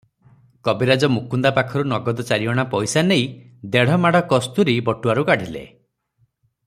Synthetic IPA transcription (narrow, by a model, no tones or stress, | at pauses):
kɔbiɾad͡ʒɔmukund̪apakʰɔɾunɔɡɔd̪ɔt͡ʃaɾiɔɽ̃apɔjsanej | d̪eɽ̤ɔmaɽ̤ɔkɔst̪uɾibɔʈːuaɾukaɽ̤ʱilḛ